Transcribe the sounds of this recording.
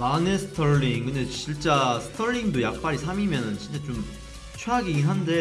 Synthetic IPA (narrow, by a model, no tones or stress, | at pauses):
manesʰɯ̥tʰʌɭːiŋkɯndet͡ɕiɭt͡ɕ͈asʰɯ̥tʰʌɭːiŋdojak̚p͈aɾisʰamimjʌnɯnt͡ɕint͡ɕ͈at͡ɕom | t͡ɕʰeɦaɡiɡiɦande̞